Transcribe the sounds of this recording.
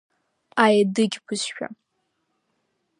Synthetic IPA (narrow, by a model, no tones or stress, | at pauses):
ajadɨɡʲbʰʷɨsʃᶣa̰